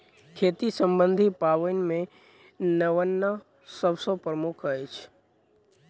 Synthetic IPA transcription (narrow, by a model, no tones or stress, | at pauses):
kʰeːt̪isə̃mbə̃nd̪ʱipaːʋənmẽ | nəʋənːə | səbsopɾəmʊkʰəjt͡ʃʰ